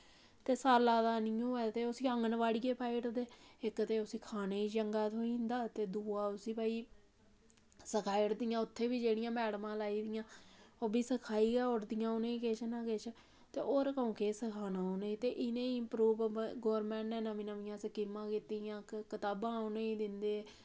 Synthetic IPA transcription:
t̪eːsaːlaːd̪aːnɪjõːɛːt̪eːʊsiːəŋɡənʋaːɽijeːpʰaːɪʈd̪eːɪkt̪eːʊsĩːkʰaːneːiːd͡ʒəŋɡaːt̪ʰoːĩːnd̪aːt̪eːd̪uːaːʊsiːbaːiː | səkʰaːɪʈd̪ɪjãːʊt̪ʰːeːbiːd͡ʒeːɽɪjãːmɛːɽmãːlaːiːd̪ɪjãːoːbʱiːsəkʰaːiːɡɛːoɽd̪ɪjãːonẽːkeːʃənãːkeːt͡ʃʰə | t̪ḛːʔoːɾkəũːkeːsəkʰaːnaːoneiːt̪eːʔɪnẽːiɪmpɾuːʋɡoːɾmɛ̃ːɳʈnɛ̃ːnəmĩːnəʋiːãːsəkiːmãːkiːt̪iːjãːkət̪aːbãːoneːiːd̪ɪnd̪eːɛː

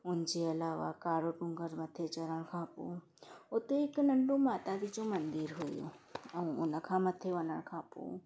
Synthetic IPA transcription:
ʊnd͡ʒeəlaːʋa̰kaːɽoʈʊ̃ŋɡəɾmət̪ʰːet͡ʃɐɾəɽ̃kʰãːpṵ | ot̪eeknəɳɖũmaːt̪ad̪it͡ʃõmənd̪iɾɦojo̰ɐũʊ̰nəkʰãmət̪ʰːeʋɐnəɽ̃kʰaːpṵ̃ː

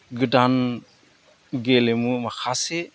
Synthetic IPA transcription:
ɡɯdan | ɡelemumaxʰase

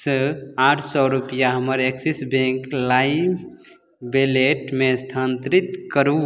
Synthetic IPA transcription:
səaʈʰsɔɾupijaɦəməɾeksisbẽŋklai | beleʈmeəst̪ʰənt̪ɾit̪kəɾu

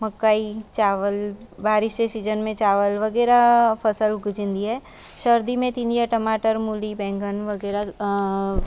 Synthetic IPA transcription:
mɐkːaːit͡ʃaːʋəlbaːɾɪʃsesiːd͡ʒənmẽt͡ʃaːʋəlʋɐɡɛːɾapʰɐsəlɡʊd͡ʒɪ̃nd̪iɦɛː | ʃəɾd̪imẽt̪ĩnd̪ijaʈɐmaːʈəɾmulibɛ̃ːŋɡənʋɐɡɛːɾa

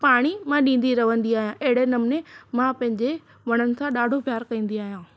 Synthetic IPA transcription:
paːɽ̃imãɗĩːn̆d̪iɾɐʋə̃nd̪iaːɦijãʔɐɦɪɽenɐmnemãpɐ̃ɦɪ̃ɲd͡ʑe | ʋɐɽ̃ənɪ̆sʰãɗaːɖʱopjaːɾkɐĩːn̆d̪iaːɦijãː

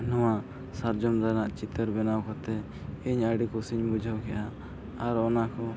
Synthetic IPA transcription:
nɔwa | saɾd͡ʒɔmɾanaʔt͡ʃit̪əɾbɛnawkɔt̪ɛ | iɲəɖikusiɲbud͡ʒʱəwkɛʔaː | ɾɔnakɔ

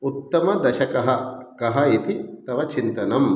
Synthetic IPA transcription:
ut̪ːɐmɐd̪ɐʃɐkɐɦɐkɐɦɐit̪it̪ɐʋɐt͡ʃint̪ɐnɐm

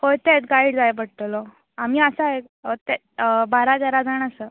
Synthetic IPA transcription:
hojt̪et̪ɡaiɽd͡zajbəɽt̪olɔ | amiːəsaɦek | t̪e | baɾad̪aɾad͡zaɳəsə

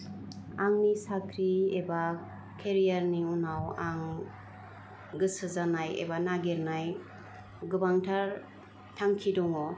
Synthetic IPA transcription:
aŋnisakʰɾieba | kʰeɾijaɾniunawaŋ | ɡɯsɯzanajḛbanaɡeɾnaj | ɡɯbaŋtʰaɾ | tʰaŋkʰidɔŋɔ

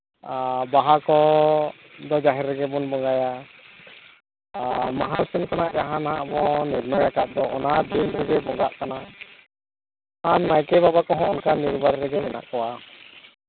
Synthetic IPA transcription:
baɦakɔ | d̪ɔd͡ʒaɦɛɾɛɡɛbɔnbɔŋɡaja | maɦasɛnkanaʔd͡ʒaɦanaɦaʔbɔnɛɾnɔjakaʔ̚d̪ɔʔɔ̰nad̪inɾɛɡɛbɔŋɡaʔkana | aɲmajkɛbabakɔɦɔ̃ʔɔnkaniɾbaɾɾɛɡɛmɛna̰ʔkɔwa

